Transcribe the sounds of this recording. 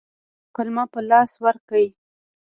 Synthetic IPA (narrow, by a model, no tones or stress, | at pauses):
qʊlmapəlɑswaɾkai